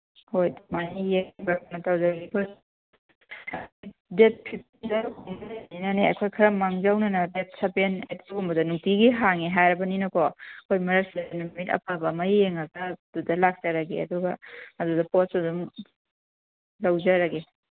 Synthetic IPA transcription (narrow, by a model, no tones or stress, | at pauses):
hojmanijeŋbakanɐtawzɐɾɡikʰoj | ɐkʰjdet̚pʰip̚ | nzɐɾukueninɐneɐkʰojkʰɐɾɐmaŋzawnɐnɐdet̚sɐpenetuɡumbɐdɐnuŋtiɡiɦaŋeɦajɾɐbɐninɐkʰokʰojmɐɾɐksidɐnumitɐ̰pʰabɐmajeŋɐɡɐdudɐlak̚t͡ʃɐɾɐɡeɐ̰duɡɐːdudɐpos̚udum | lɐwzɐɾɐɡe